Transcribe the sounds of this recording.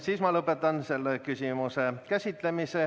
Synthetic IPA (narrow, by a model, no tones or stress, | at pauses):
siːsmɑlɤpːˑet̪ːˑɑnse̞lːekysʲimusekæsʲit̪ˑle̞mise